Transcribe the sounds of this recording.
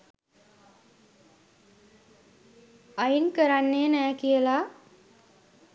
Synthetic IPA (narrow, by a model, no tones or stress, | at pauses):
ajinkəɾanːenɛːkijəla